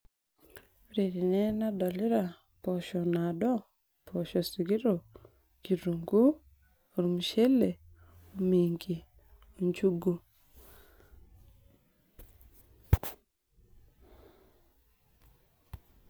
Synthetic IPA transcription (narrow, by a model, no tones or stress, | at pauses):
ɾiɾinenadoliɾa | pɔʃɔnadɔ | pʰɔʃɔsiɡiɾo | kiɾuŋɡu | oɾumuʃele | umiŋɡi | oɲt͡ʃuɡu